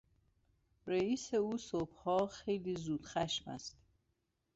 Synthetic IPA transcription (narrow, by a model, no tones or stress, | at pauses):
ɾeiːseuːsobhɒːxejliːzuːd̪̥xæʃmæ̰st̪